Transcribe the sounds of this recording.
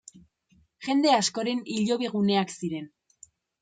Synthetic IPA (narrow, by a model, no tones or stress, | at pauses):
ʝe̞nd̪e̞asko̞ɾe̞niʎo̞βiɣ̞une̞aksiɾe̞n